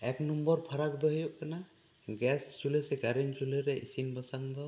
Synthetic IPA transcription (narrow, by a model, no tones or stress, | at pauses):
ɛknɔmbɔɾpʰaɾakd̪ɔɦijɔʔkana | ɡɛst͡ʃulesɛɡaɾint͡ʃuleɾɛʔisinbɔsaŋd̪ɔ